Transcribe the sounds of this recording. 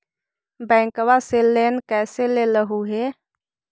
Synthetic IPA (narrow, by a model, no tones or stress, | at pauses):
bɛ̃ːŋkʋaselːenkɛːseleləɦuɦe